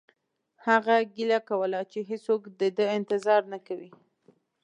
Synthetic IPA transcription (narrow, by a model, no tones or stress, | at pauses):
haɣaɡilakawəlat͡ʃeɦesokd̪əd̪əɪnt̪ɪzɑɾnakawi